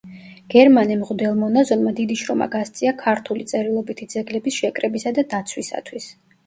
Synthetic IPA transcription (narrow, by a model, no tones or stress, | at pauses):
ɡ̥ɛɾmanɛmʁud̪ɛlˠmɔnazɔnmad̪id̪iʃɾɔma̰ɡast̪sʼiakʰaɾt̪ʰulit̪sʼɛɾilˠɔbit̪ʰid̪zɛɡlɛbisʃɛkʼɾɛbisad̪ad̪at̪sʰwisa̰t̪ʰwis